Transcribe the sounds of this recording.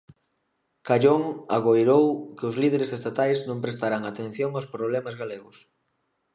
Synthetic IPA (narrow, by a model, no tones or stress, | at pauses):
kaʎoŋaɣojɾowkɪʊzlið̞eɾesest̪at̪ajznõmpɾest̪aɾaŋat̪ẽn̟θjoŋawspɾoβ̞lemazɣaleɣʊs